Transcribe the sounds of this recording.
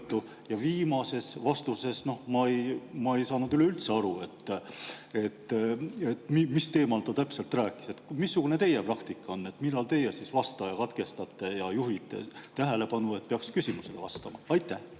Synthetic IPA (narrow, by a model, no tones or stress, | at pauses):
t̪ːˑu | jɑviːmɑse̞svɑst̪use̞sno̞hmɑejmɑe̞jsɑːnud̪yle̞ylt̪se̞ɑɾue̞t̪ː | e̞t̪ːˑet̪ːmimist̪e̞ːmɑlt̪ot̪æpse̞lt̪ræːkːˑi̥se̞t̪misːuɡ̥une̞t̪e̞je̞prɑkt̪ikːˑɑo̞nːe̞t̪milːɑlt̪e̞jesisvɑst̪ˑɑjɑkɑt̪ke̞st̪ɑt̪ːˑe̞jɑjuɦit̪ːˑe̞̰t̪æɦele̞pɑnue̞t̪̚peɑkskysimuse̞le̞vɑst̪ɑmɑɑjt̪ːˑæh